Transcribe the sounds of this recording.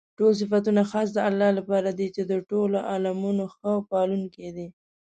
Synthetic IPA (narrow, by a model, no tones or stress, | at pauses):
ʈols̬ɪfat̪̬unaxɑs̬d̪əalːɑlapɑɾad̪it͡ʃed̪əʈoloʔɑlamunoxəwpɑlunked̪i